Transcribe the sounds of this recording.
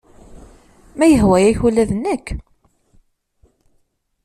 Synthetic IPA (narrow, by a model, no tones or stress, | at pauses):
mæjəɦwæjæçulæðənːækː